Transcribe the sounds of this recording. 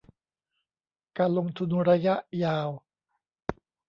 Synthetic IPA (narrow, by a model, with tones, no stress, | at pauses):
kaː˧nlo˧ŋt̪ʰu˧nɾa˧ja˦˥ʔjaː˧w